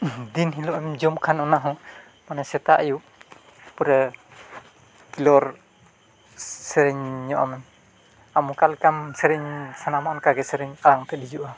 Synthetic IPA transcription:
d̪inɦilɔamɛmd͡ʒɔmkʰanɔnaɦɔ | manasɛt̪aʔajuʔ | puɾa | kilɔɾ | sɛɾɛɲɲɔʔa̰mɛm | amukalkamsɛɾɛɲsanamankaɡɛsɛɾɛɲaɾaŋt̪ɛdid͡ʒuʔa

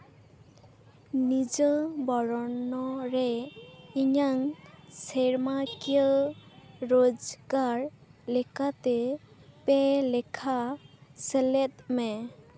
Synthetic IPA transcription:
nid͡ʒɔbɔɹɔnːɔɹɛiɲaŋseɹmakiɔː | od͡ʒɡaɹlekat̪e | pɛlekʰaselet̪̚mɛ

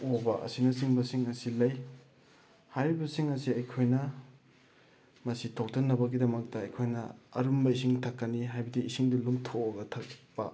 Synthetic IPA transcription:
obɐʔɐ̰sinɐsiŋbɐsiŋɐsilɐj | hajɾibɐsiŋɐsiɐjkʰojnɐ | mɐsitʰow̚tʰɐnːɐbɐɡidɐmɐk̚tɐːjkʰojnɐ̰ɐ̰ɾumbɐisiŋtʰɐkːɐniɦajbɐdiːsiŋdɐlumtʰoɐɡɐtʰɐk̚pɐ̰

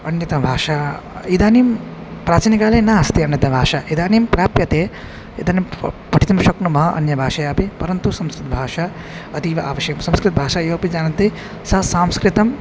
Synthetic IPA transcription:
ɐnjɐt̪ɐmbʱaːʃaːid̪aːnim | pɾaːt͡ʃiːnikaːlɐːnɐɐst̪iɐnjɐt̪ɐmbʱaːʃaʔid̪aːnimpɾaːpjɐt̪eː | id̪aːnimpɐʈʰit̪ɐmʃɐknumɐɦɐʔɐ̰njɐbʱaːʃɐjaːpepɐɾɐnt̪usɐmskɾit̪̚bʱaːʃa | ɐd̪iʋɐʔaːʋɐʃjɐkɐmsɐmskɾit̪̚bʱaːʃajeʋɐpid͡ʒaːnɐnt̪e | sɐsaːmskɾit̪ɐm

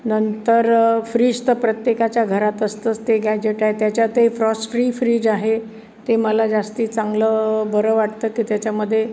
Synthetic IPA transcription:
nənt̪əɾfɾiːd͡ʑt̪əpɾət̪jekat͡ɕjaɡʱəɾat̪əst̪əːt͡st̪eɡʱjajd͡ʑeʈaet̪jat͡ɕjat̪efɾɔsfɾiːfɾiːd͡ʑaɦe | t̪eməlad͡zast̪iːt͡sãŋɡləbəɾəʋaʈt̪əːkiːt̪jat͡ɕaməd̪ʱːje

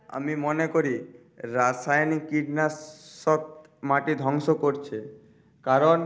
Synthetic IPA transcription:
a̰mimonekoɾi | ɾasajnikiɖnasɔt̪̚ | maʈid̪ʱɔŋʃokoɾt͡ɕʰe | kaɾon

